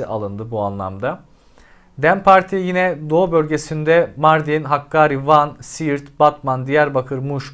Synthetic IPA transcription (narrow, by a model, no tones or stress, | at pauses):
iʔa̰lˠɯnd̪ɯbuanlˠa̰md̪a | d̪ænpʰaɾt̪ʰijinɛd̪o̞ːbølʲɟe̞sind̪ɛmaɾd̪inɦakːaːɾivansijiɾt̪b̥at̪mand̪ijæɾbakʰɯɾmuʃ